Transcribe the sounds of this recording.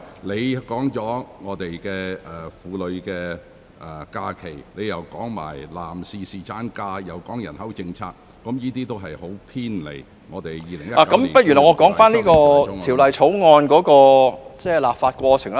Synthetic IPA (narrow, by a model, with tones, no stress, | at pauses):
le˨˧jkɔː˨˥ŋt͡sɔː˨˥ŋɔː˨˧t̪e˨jkɛː˧ɛ˨fuː˨˧lɵ˨˧ɥkɛː˧ | ʔɛ˨kaː˧kʰe˨˩jle˨˧jɐ˨wkɔː˨˥ŋma̰ː˨˩jlaː˨˩msiː˨˩siː˨t͡saː˨˥nkaː˧jɐ˨wkɔː˨˥ŋjɐ˨˩nhɐ˨˥wt͡sɪ˧ŋt͡sʰaː˧k̚ːɐ˨˥mjiː˥t̪iː˥t̪o˥wɦɐ˨jho˨˥wpʰiː˥nlḛ˨˩j | ŋɔː˨˧t̪e˨jjiː˨˧lɪ˨˩ŋjɐ˥la˨kkɐ˦m˨˩pɐ˥t̚jyː˨˩nɔː˨˩ŋɔː˧kɔː˨˥ŋfaː˥nliː˥kɔː˧t̪ʰiː˨˩wlɐ˨jt͡sʰo˨˥wŋɔː˧nkɔː˨˥kɔː˧t͡sɛː˥˩laː˨p̚faː˧t̚kʷɔː˧t͡sʰɪ˨˩ŋ